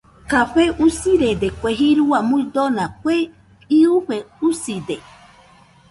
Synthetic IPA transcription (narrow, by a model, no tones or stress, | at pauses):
kaɸeʔusiɾed̪ekʷeɦiɾuamũid̪onakʷe | iuɸeusid̪e